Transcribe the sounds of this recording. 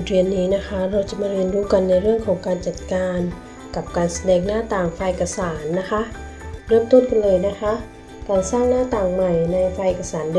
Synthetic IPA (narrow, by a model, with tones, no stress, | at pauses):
ɾi˧˩ənːiː˦˥na˦˧˥kʰa˦˥ɾa˧wt͡ɕa˨˩maː˧˥ɾi˧ənduː˧˦ka˨˩nːa˧jɾɯ˥˩əŋkʰɔː˨˩˦ŋkaː˨nt͡ɕa˨˩t̪̚kaː˧n | ka˨˩p̚kaː˨nsa˧dɛː˧˩ŋnaː˥˨t̪aː˨˩ŋfaː˧˩jʔka˧saː˩˦nːa˦˧˥kʰa˦˥ʔ | ɾɯ˥˧˩əmt̪o˧˥˨nka˨nlɤː˧jna˦˥kʰa˦˥ʔ | kaː˨˩nsaː˥˩ŋnaː˥˩t̪aː˨˩ŋma˨˩jna˧jfaː˧jʔe˧˩kːa˧saː˩˦nd